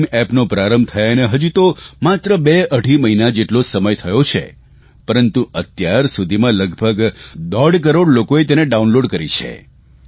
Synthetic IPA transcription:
mɛpnopɾaɾəmb̚t̪ʰəjaneɦəd͡ʒut̪omat̪ɾəbeəɽʱiməɦinad͡ʒeʈlosəməjt̪ʰəjot͡ʃʰḛ | pəɾənt̪uət̪jaɾsud̪ʱimãləɡbʱəɡd̪əɽk̬əɾoɽlokoet̪eneɖaunloɖkəɾit͡ʃʰḛ

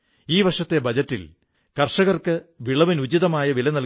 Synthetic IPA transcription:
iːʋɐʂɐt̪ːe̞bɐd͡ʑɐtːil | kɐrʂɐɣɐrkɨʋiɭɐʋinud͡ʑiðɐmaːjɐʋilɐnɐl

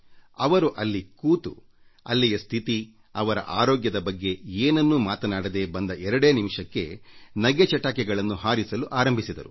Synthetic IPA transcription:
ɐʋɐɾuʔɐlːikuːt̪u | ɐ̰lːijɐst̪ʰit̪i | ɐʋɐɾɐ̰ʔaːɾoːɡjɐd̪ɐbɐɡːe̞eːnɐnːumaːt̪ɐnaːɽɐd̪e̞bɐnd̪ɐʔɛɾɐɽe̞ːnimʂɐkːe̞̰nɐɡet͡ʃɐʈːaːkɛɡɐɭɐnːuɦaːɾisɐluʔaːɾɐmbʱisid̪ɐɾu

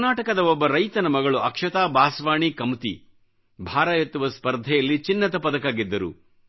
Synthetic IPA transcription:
naːʈɐkɐd̪ɐɔbːɐɾɐjt̪ɐnɐmɐɡɐɭuɐkʂɐt̪aːbaːsʋaːɳikɐmut̪i | bʱaːɾaːjet̪ːuʋɐspɐɾd̪ʱɛjɐlːit͡ʃinːɐt̪ɐpɐd̪ɐkaːɡid̪ːɐɾṵ

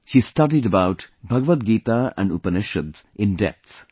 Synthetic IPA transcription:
ʃiːstʌdidəbaʊtbʱʌɡəʋət̪̚ɡiːt̪aæ̰̃nɖṵpəneʃəd̪ʔɪ̃ndɛ̰t̪s

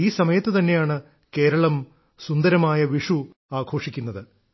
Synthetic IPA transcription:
iːsɐmɐjɐt̪ːɨt̪ɐnːe̞jaːɳɨ | ke̞ːɾɐɭɐm | sund̪ɐɾɐmaːjɐʋiʂu | aːɡʱo̞ːʂikʲːunːɐðɨ

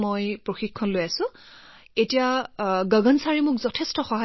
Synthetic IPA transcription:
mojpɹoxikʰːɔnlojasʊ̃ | etijaɡəɡɔnsaɹimʊkzɔtʰestɔxɔɦa

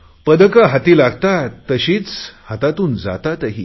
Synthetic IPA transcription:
pəd̪əkaɦat̪iːlaɡt̪at̪əɕiːt͡shat̪at̪uːnd͡za̰t̪at̪əɦiː

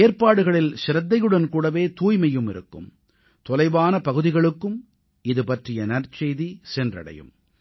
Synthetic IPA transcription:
eːɾpaːɽɯɣɐɭɪlʃɪɾɐd̪ːɐjɯɽɐnkuːɽɐʋeːt̪uːjmɐjːɯmɪɾɯkːɯ̰m | t̪ɔlɐɪʋaːnɐpɐɣɯðɪɣɐɭɯkːɯm | ɪðɯpɐʈrɪjɐnɐrt͡ʃejðisɛndrɐ̰ɽɐ̰jɯ̰m

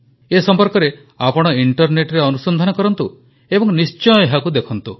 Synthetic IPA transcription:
esɔmpɔɾkɔɾe | apɔɽ̃ɔiɳʈɔɾneʈɾeɔnusɔnd̪ʱanɔkɔɾɔnt̪u | ebɔŋnist͡ʃɔjeɦakud̪ekʰɔnt̪u

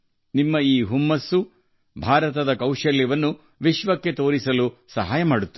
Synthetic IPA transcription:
nimːɐiːɦumːɐsːu | bʱaːɾɐt̪ɐd̪ɐkɐwʃɐljɐʋɐnːu | ʋiʃʋɐkːe̞t̪o̞ːɾisɐlusɐɦaːjɐmaːɽut̪ːu

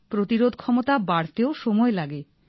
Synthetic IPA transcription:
pɾot̪iɾod̪ʱkʰɔmot̪abaɽt̪eoʃɔmɔelaɡe

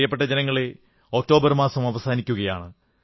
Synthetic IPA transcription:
jɐpːeʈːɐd͡ʑenɐŋːɐɭe | o̞k̚tːo̞ːbɐrmaːsɐmɐʋɐsaːnikʲːuɣɐjaːɳɨ

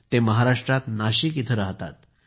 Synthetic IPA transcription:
t̪ːeməɦaɾaʂʈɾat̪naɕikit̪ʰəɾəɦt̪a̰t̪

